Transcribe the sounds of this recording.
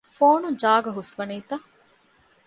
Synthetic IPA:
foːnud͡ʒaːɡɐɦusʋɐniːt̪ɐ

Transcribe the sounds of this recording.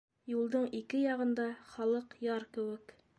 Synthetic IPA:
julˠd̪ɤɴikɘjɑʁɤ̆nd̪ɑχɑlˠɤqjɑɾkɘ̆wɘ̆k

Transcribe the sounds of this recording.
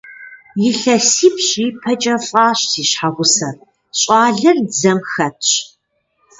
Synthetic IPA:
jɪɬɐsiːpɕiːpʰɐt͡ʃʼɐfʼɑːɕsiːɕħaʁʷʊsɐr | ɕʼɑːɮɐrzɐmxɐtʰɕ

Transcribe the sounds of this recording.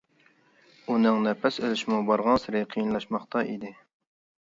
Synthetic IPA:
unɪŋnɛpʰɛsølyʃmubɑɾʁɑnsɨɾɪqʰijinlˠɑʃmɑχt̪ɑʔḭd̪ɪ

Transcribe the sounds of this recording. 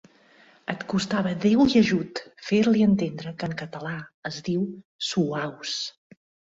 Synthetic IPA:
ət̪kust̪aβəðewiəʒut̪feɾliənt̪end̪ɾəkəŋkət̪əlaəzðiw | suaws

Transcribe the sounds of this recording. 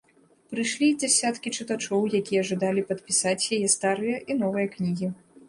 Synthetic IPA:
pɾɨjʂlʲid͡zʲasʲat̪kʲit͡ʂɨt̪at͡ʂɔwjakʲijɐʐɨd̪alʲipɐt̪̚pʲisat͡sʲjajɛst̪aɾɨjɐʔin̪ɔvɨjɐknʲiɣʲi

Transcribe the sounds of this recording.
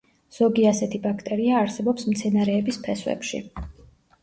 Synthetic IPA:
z̥ɔɡiasɛt̪ʰibakʰt̪ʼɛɾiaːɾsɛbɔpsmt̪sʰɛnaɾɛːbispʰɛswɛ̰pʃḭ

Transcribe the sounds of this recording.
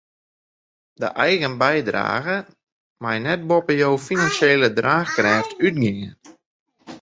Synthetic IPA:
dəʔɛjɣənbɛjdra̰ːɣə | majnɛt̚bɔpəjowfinansjeːlədraːxkrɛːftʰyt̚ɡɪŋən

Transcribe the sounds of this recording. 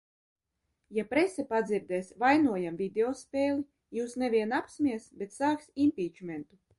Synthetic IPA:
japɾesɛpad̪ziɾd̪ɛːsvajnuɔjamvʲid̪eɔspʲeːlˠi | juːsnevʲiɛnapsʲmʲiɛsbʲet̪saːksimpʲiːt͡ʃmʲent̪u

